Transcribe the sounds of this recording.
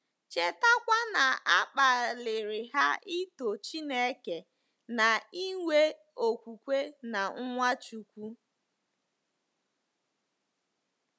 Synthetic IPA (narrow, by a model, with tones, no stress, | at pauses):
t͡ʃe˨ta˦kʷa˦na˨a˦k͡pa˨lɪ˨ɾɪ˨ɦa˦i˦to˨t͡ʃi˦ne˦ke˨ | na˨i˦ŋʷe˦ | o˨kʷu˨kʷe˦na˨ŋ̩˦ŋʷa˦t͡ʃu˨kʷu˦